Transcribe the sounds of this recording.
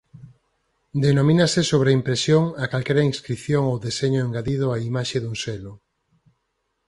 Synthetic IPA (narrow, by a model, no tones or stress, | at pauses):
d̪enomĩnasɪsoβɾeimpɾesjoŋakalkɛɾɐiŋskɾiθjoŋowðeseɲʊeŋɡaðið̞ʊaimaʃeðuŋselʊ